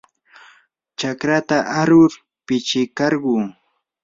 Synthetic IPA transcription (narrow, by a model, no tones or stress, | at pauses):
t͡ʃakɾat̪aʔaɾʊɾ | pɪt͡ʃɪkɑɾɢʊː